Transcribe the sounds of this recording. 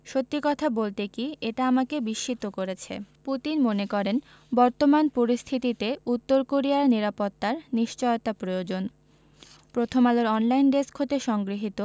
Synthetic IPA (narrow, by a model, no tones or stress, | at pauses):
ʃot̪ːikɔt̪ʰabolt̪ekieʈaamakebiʃːit̪okoɾet͡ɕʰḛput̪inmonekɔɾen | bɔɾt̪omanpoɾist̪ʰit̪it̪eut̪ːoɾkoɾiaɾniɾapot̪ːaɾniʃt͡ɕɔjot̪apɾojod͡ʑon | pɾot̪ʰomaloɾɔnlajnɖeskʰot̪eʃɔŋɡɾiɦit̪o